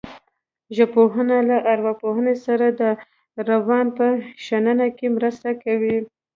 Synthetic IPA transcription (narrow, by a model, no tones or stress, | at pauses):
ʒapoɦənalaʔaɾwapoɦənesaɾad̪ə | ɾawɑnpəʃanənakemɾəst̪akawi